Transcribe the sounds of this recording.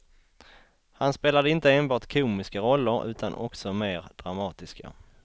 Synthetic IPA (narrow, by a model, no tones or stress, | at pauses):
hanspeːlad̪əɪnt̪əeːnbɑːʈkʰuːmɪskaɾɔlːəɾʉ̟ːt̪ʰanʔɔ̰ksɔmeːɾd̪̥ɾamɑːt̪ɪska̰